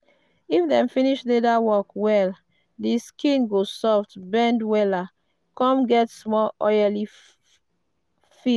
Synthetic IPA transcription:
ifdɛ̃mfiniʃledawɔkwɛl | diskĩnɡosɔftbɛ̃ndwɛla | kɔ̃mɡɛtsmɔɔjali | fi

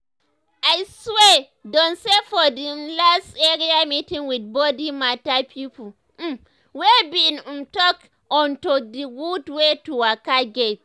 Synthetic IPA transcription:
ʔajswe | dɔ̃nsefɔdilasteɾiamitĩŋwid̚bodimatapʰipul | m̩ | webinumtɔk | ɔntɔdiɡudwetuwakaɡet

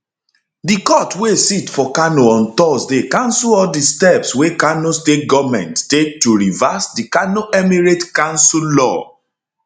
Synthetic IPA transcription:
dikɔtwesitfɔkanoɔ̃ntɔsdekãnsuɔdistɛpswekanostet̚ɡɔvmɛ̰̃ntːek̚tuɹivasdikanoʔɛmiɹetkãnsulɔ̰

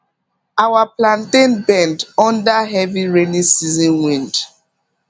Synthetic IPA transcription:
awaplãntẽnbɛ̃ndɔ̃ndaɦɛviɹenisizɔ̃nwĩnd

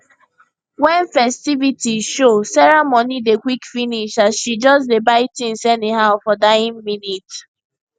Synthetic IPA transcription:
wɛ̃nfɛstivitiʃosɛɹɛmonidekwikfiniʃasʃid͡ʒɔsdebaɪtĩnsɛniɦaʊfɔdaɪĩnminit

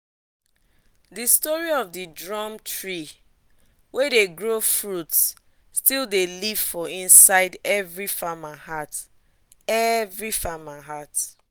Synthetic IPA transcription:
distɔɹiɔvdidɹɔ̃mtʰɹi | wedeɡɹofɹuts | stilˠdeliv̥fɔĩnsaɪdɛvɹifamahat | ɛvɹifamaɦat

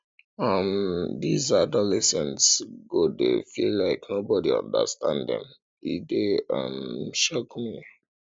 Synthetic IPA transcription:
ʌmd̪izadɔlɛsɛ̃ntsɡodefilːaɪknobɔdiʌ̰̃ndə̰stãnddɛ̰̃m | ideʌ̰mʃokmi

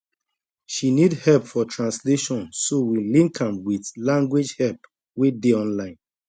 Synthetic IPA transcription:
ʃinidhɛlpfɔtʰɹãnsleʃɔ̃nsowilĩŋkʰãmwiθlãŋɡwed͡ʒhɛlp | wedeɔ̃nlãɪ̃n

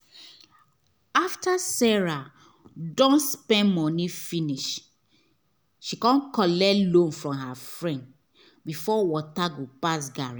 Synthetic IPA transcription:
aftasɛɹa | dõnspɛ̃nmɔnifĩniʃ | ʃikɔ̃nkɔlɛlõnfɹɔ̃mɦafɹɛ̃nd | bifɔwɔtaɡopas̬ɡaɹi

